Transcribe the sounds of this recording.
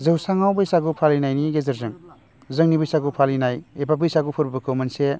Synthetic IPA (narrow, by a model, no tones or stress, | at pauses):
zɯwsaŋawbɯjsaɡupʰalinajniɡezɐɾzɯŋ | zɯŋnibɯjsaɡupʰalinajebabɯjsaɡupʰɯɾbbɯkʰɯwmɐnse